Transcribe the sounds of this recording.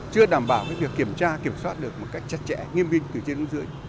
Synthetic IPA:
t͡ɕɨ˧əɗaː˧˩mɓaː˧˩wkaː˨˦jvi˨˩əkːi˧˩əmt͡ɕaː˧ki˧˩əmswaː˦˥t̚ɗɨ˨˩ək̚mo˨˩t̚ka˦˥jk̚t͡ɕa˦˥t̚t͡ɕɛ̰˧˥ŋi˧ənvï˧ŋ̟t̪ɨ˨˩t͡ɕi˧nɨ˨˦ŋzɨ̰˨˦əj

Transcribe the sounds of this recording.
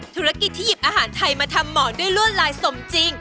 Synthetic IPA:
t̪ʰuː˨˦ɾa˦˥˩ki˨˩t̪ʰːiː˥˩ji˨˩p̚ʔaː˧ɦaː˩˦nt̪ʰa˧jmaː˧t̪ʰa˧mːɔː˩˦du˥˩əjlu˥˩ənɾaː˧˥jso˨˧˩mt͡ɕi˧ŋ

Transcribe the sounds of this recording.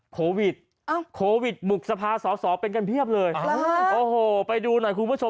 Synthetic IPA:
kʰoː˧wi˨˩t̪̚ | a˧˩kʰoː˧wi˨˩t̪̚mu˨˩k̚sa˧pʰaː˧sɔː˩˦sɔː˩˦pe˧nka˧npʰi˥˩əp̚lɤː˧jʔoː˧ɦoː˨˩pa˧jduː˧nɔ˨˩jkʰu˧npʰu˥˩t͡ɕʰo˧

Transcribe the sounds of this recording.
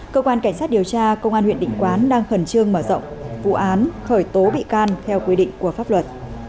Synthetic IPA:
kəː˧kwaː˧nka˧˩ŋ̟saː˦˥t̚ɗi˨˩əwt͡ɕaː˧kə˧wŋ͡mʔaː˧nhw̰ənɗḭ˧˨ŋ̟kwaː˨˦nɗaː˧ŋxə˧˩nt͡ɕɨ˧əŋməː˧˩zə̰˧˨wŋ͡mvṵ˧˨ʔaː˨˦nxəː˧˩jt̪o˨˦ɓḭ˧˨kaː˧nt̪ʰɛ˧wkwi˧ɗḭ̈˧˨ŋ̟ku˧˩əfaː˦˥p̚lə˨˩t̚

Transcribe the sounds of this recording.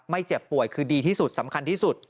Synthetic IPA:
ma˥˩jt͡ɕe˨˩pːu˨˩əjkʰɯː˧diː˧t̪ʰiː˥˩su˨˩t̪̚sa˩˦mkʰa˧nt̪ʰiː˥˩su˨˩t̪̚

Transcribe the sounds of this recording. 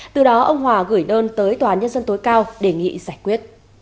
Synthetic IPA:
t̪ɨ˨˩ɗɔ˨˦ʔə˧wŋ͡mɦwaː˨˩ɣɨ˧˩jɗəː˧nt̪əː˨˦jt̪waː˨a˧˨˦ɲə˧nzə˧nt̪o˨˦jkaː˧wɗe˧˩ŋḭ˧˨zaː˧˩jkwi˦˥ət̚

